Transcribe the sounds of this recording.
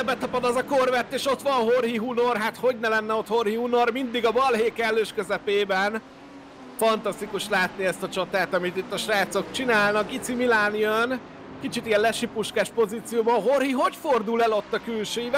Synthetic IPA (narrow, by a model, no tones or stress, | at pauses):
ɛbɛt̪ɒpɒd̪ɒzɒkørvɛrt̪ːeːʃo̞t̪ʋɒnɦorɦiɦuno̞rɦaːt̪ho̞ɟnɛlɛnːɛo̞t̪ho̞rhihunormind̪iɡɒbɒlɦeːkɛlːøːʃkøzɛpeːbɛn | fɒnt̪ɒst̪ikuʃlaːt̪niɛst̪ɒt͡ʃɒt̪aːt̪ɒmit̪it̪ːɒʃraːt̪so̞kt͡ʃinaːlnɒk̚ɡit̪similaːniøn | kit͡ʃit̪ijɛllɛʃipuʃkaːʃpo̞ziːt̪sijoːbɒɦo̞rɦiɦo̞cford̪ulɛlo̞t̪ːɒkylʃøiv